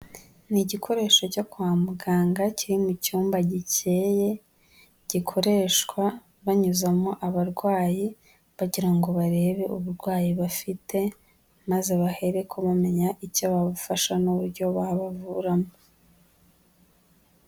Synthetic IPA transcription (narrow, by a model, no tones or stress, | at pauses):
niɟikʰo̞ɾe̞ːʃo̞cakwaːmuɡaːŋɡaciɾimucuːmbaɟice̞je̞ | ɟ̥ikʰo̞ɾe̞ːʃkwa | βaɲuzamoʔaβaɾɡwaːji | βaɟiɾaŋɡo̞βaɾe̞ːβe̞ʔuβuɾɡwaːjiβafitʰe̞ | maze̞βahe̞ɾe̞kʰoβame̞ɲaʔicoβaβufaʃanuβuɾɟo̞βaβavuɾamo